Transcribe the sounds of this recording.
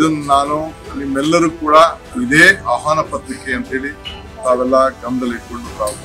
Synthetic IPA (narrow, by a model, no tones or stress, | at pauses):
d̪ɐnːunaːnunimːɛlːɐɾuːkuːɽɐ | id̪eːaːɦaːnɐpɐt̪ɾikeɐnt̪ɦe̞ːɭi | t̪aːʋɛlːɐɡɐmd̪ɐliʈ̚koɳɖupɾaːʋɐ